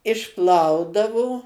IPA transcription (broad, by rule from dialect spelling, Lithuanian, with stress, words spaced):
ɪʃˈplˠɐʊdɐʋoː